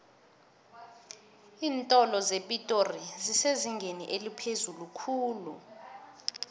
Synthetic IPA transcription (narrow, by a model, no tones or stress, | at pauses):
iːntʼɔlɔzepʼitʼoriziseziŋɡʱeniʔelipʰezulukʰuːlṵ